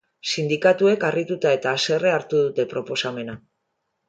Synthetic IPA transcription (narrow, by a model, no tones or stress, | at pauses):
sind̪ikat̪ue̞karit̪ut̪ae̞t̪aːse̞re̞aɾt̪uðut̪e̞pɾo̞po̞same̞na